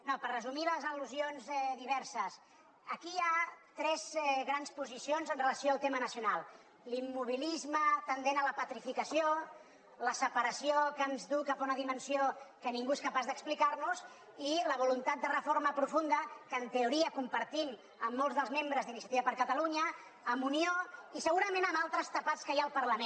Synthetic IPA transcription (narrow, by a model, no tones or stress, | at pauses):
nopərrəzumiləzəluzionzɛðiβ̞ɛɾsəs | əkiat̪ɾɛzɛɣɾanspuzisionzənrələsijoaːlˠt̪emənəsiunalˠ | limːuβ̞ilizmət̪ənd̪enələpət̪ɾifikəsjo | ləsəpəɾəsiokənzðukapaunəðimənsiokəniŋɡueskəpazðəksplikarnuz | iləβulunt̪at̪̚d̪ərəforməpɾufund̪əkəːnt̪əuɾiəkumpəɾt̪im | əmːolˠzðəlˠzmembɾəzðinisiət̪iβəpəɾkət̪əluɲəː | munioisəɣuɾəmẽnəmalˠt̪ɾəst̪əpat̪skəjaːlˠpəɾləme